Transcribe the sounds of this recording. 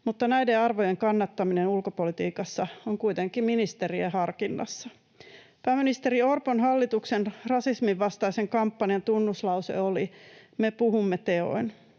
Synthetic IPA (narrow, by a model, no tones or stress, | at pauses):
mut̪ːɑnæjdeɑrʋo̞jeŋkɑnːɑt̪ːɑminenulkopo̞lit̪iːkɑsːɑoŋkuit̪eŋkːˑiminist̪eriehɑrkinːɑ̰sːɑ̥ | pæːminist̪e̞ɾiorponɦɑlːit̪uksenrɑsismiʋːɑst̪ɑise̞ŋkɑmpːɑniɑnt̪unːuslɑwse̞̰olimepuɦumːet̪e̞o̰in